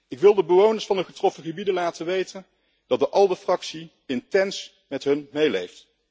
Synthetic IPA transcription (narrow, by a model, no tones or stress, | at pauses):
ɪkʋɪlˠdəbəʋownəɹsfɑndəχətrɔfəχəbidəlaːtəʋejtən | d̥ɑt̚dəʔɑlˠdəfrɑksi | ɪntɛns | mɛtɦɵnmejlejft